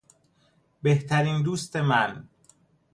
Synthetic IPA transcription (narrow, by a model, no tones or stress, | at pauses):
beht̪ʰæɾiːnd̪uːst̪emæn